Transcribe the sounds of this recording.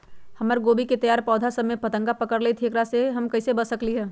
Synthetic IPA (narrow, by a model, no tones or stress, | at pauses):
hɐməɾɡoːbiket̪ɐjaːɾpɔːd̪ʱasɐmːẽpɐt̪ə̃ŋɡapəkəɾleːt̪ʰeːkɾaseɦɐmkɐɪsebəsəkliɦɛː